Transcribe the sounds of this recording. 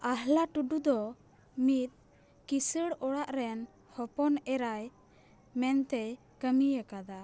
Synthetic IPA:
aɦlaʈuɖud̪ɔ | mit̪̚ | kisəɽɔɽaʔɾɛn | hɔpɔnɛɾaj | mɛnt̪ɛj | kəmijəkad̪a

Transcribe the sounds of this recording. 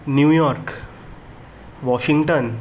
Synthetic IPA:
njuːjɔɾk | ʋɔɕĩŋɡʈən

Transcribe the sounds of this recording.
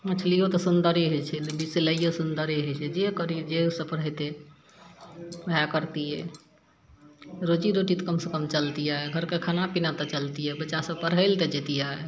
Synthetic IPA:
ət͡ʃʰlijot̪ɔsund̪əɾiɦot͡ʃʰɛlbiseləijosund̪əɾiɦot͡ʃʰɛd͡ʒekəɾid͡ʒesəbpəɽɦət̪e | bjakəɾt̪ijɛ | ɾod͡ʒiɾoʈit̪kəmsekəmt͡ʃəlt̪ijaeɡʱəɾkekʰanapinat̪ɔt͡ʃəlt̪ijɛbətːʃasəb̚pəɽɦəlt̪əd͡ʒet̪ijaɛ

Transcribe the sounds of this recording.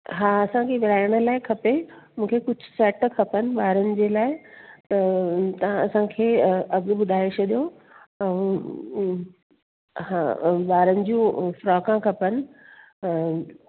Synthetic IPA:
ɦaːɐsãkʰeʋɪɾaːɪɽ̃ə̆laːɪkʰɐpemũːkʰekʊd͡ʑʱʊsɛːʈkʰɐpənɪ̆ɓaːɾənɪ̆d͡ʑeːlaːɪt̪ɐt̪ɐãɐsãkʰeːɐɠɓʊd̪ʱaːɪt͡ɕʰɐɗijo | ɛ̃ũ | ɦaɓaːɾənɪ̆d͡ʑiũfɾɔːkãkʰɐpənɪ̆

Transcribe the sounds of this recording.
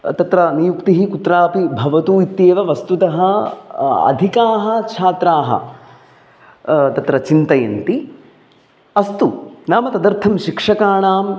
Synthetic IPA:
t̪ɐt̪ɾɐnijukt̪iɦikut̪ɾaːpibʱɐʋɐt̪uːit̪jeːʋɐʋɐst̪ut̪ɐɦɐ | ɐ̰d̪ʱikaːɦɐ̆t͡ʃʰaːt̪ɾaːɦɐ̰ | t̪ɐt̪ɾɐt͡ʃint̪ɐjɐ̰nt̪i | ɐst̪unaːmɐt̪ɐd̪ɐɾt̪ʰɐmʃikʂɐkaːɳaːm

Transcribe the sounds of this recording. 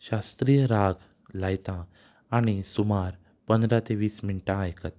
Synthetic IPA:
ɕast̪ɾijəɾaɡ | lajt̪ãː | ɽ̃isumaɾ | pənd̪ɾat̪eʋiːsminʈãajkət̪

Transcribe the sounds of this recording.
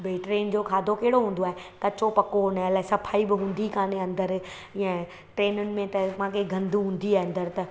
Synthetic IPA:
beːʈɾeːnd͡ʑoːkʰaːd̪ʱokɐɦɪɽoɦũːn̆d̪oaːɦekɐt͡ɕopɐkonɐlaːesɐpʰaːibɪɦũːnd̪ikaːneɐ̃nd̪əɾ | ɪɛ̃ | ʈɾeːnʊnɪ̆mẽt̪ɐmãkʰeɡʱɐ̃nd̪ʱuɦũːn̆d̪iaːɦɪɐ̃nd̪əɾt̪ɐ

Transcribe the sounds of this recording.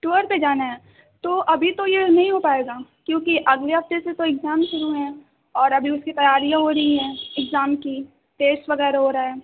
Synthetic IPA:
ʈuːəɾped͡ʒaːnaɦɛː | t̪oʔɐbʱit̪ojenɐɦĩɦopaːeːɡaːkjõːkiʔɐɡleɦɐft̪eset̪oɪɡzaːmʃʊɾuɦɛ̃ː | ɔːɾɐbʱiʊskit̪ɐjaːɾijãɦoːɾɐɦiɦɛ̃ːɪɡzaːmki | ʈeːsʈʋɐɣɛːɾaɦoɾaaɦɛː

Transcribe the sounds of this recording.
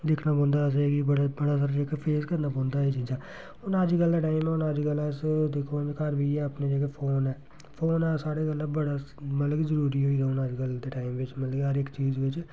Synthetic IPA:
d̪ɪkʰnaːpɔ̃ːnd̪aːs̬eɡibəɽbəɽaːs̬aːɾad͡ʒekepʰeːskəɾnaːpɔ̃ːnd̪aːiːt͡ʃiːd͡ʒaː | ʊnəd͡ʒkəld̪aːʈaːimɛːʊnəd͡ʒkəlɛsd̪ekʰoːnkəɾbiːɛːəpneːd͡ʒekepʰoːnɛː | pʰoːnɛːsaːɽeːɡəlːəːbəɽaːmət̪ləɡzəɾuːɾiːɦoːiːd̪aːʊnəd͡ʒkəld̪eːʈaːimʋɪt͡ʃmət̪ləɡɦəɾɪkt͡ʃiːzʋɪt͡ʃ

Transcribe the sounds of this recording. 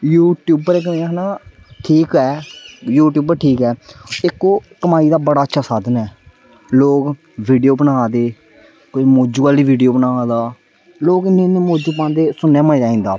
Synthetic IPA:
juːʈjuːbəɾeːkːnaː | ʈʰiːkɛːjuːʈjuːbəɾʈʰiːkɛːɪkːoːkːəmaːiːd̪aːbəɽaːətːʃʰaːsaːd̪ənɛː | loːk | ʋiːɖijoːbənaːd̪eː | kʊimoːd͡ʒuːaliːʋiːɖijoːbənaːd̪aː | loːkɪnẽːneːmoːd͡ʒuːpãːnd̪eːsʊnɛːməd͡ʒaːĩːnd̪aː

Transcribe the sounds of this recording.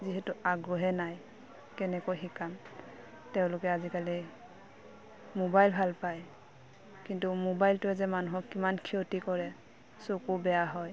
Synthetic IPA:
ziɦɛtuaɡɹɔɦɛnaj | kɛnɛkojɦikam | tɛʊ̃lʊkɛazikali | mobajlbʱalpaj | kintumobajltʊɛzɛmanuɦɔkːimankʰiotikɔɹɛ | sokubɛjaɦɔj

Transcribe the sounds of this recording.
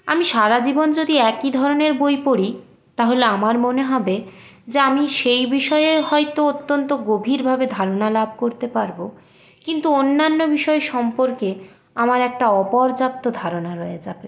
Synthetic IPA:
a̰miʃaɾad͡ʑibond͡ʑod̪iɛkid̪ʱɔɾoneɾbojpoɽi | t̪aɦoleamaɾmoneɦɔbe | d͡ʑeamiʃejbiʃɔeeɦɔjt̪oot̪ːont̪oɡobʱiɾbʱabed̪ʱaɾonalab̚ʱkoɾt̪epaɾbo | kint̪uonːanːobiʃɔeʃɔmpoɾke | amaɾɛk̚ʈaɔpɔɾd͡ʑap̚t̪od̪ʱaɾonaɾɔeed͡ʑabe

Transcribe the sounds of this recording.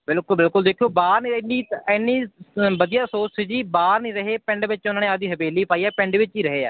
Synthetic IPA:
bɪlkʊlbɪlkʊld̪eːkʰjoːbaːɾniːniːɛnːĩːbəd̪ijaːsoːsiːd͡ʒiːbaːɾnĩːɾəɦeːpɛ̃ɳɖʋɪt͡ʃʊnaːneːad̪iːɦəbeːliːpaːiːɛːpɛ̃ɪ̃ɳɖʋɪt͡ʃiːɾəɦeːɛ̰ː

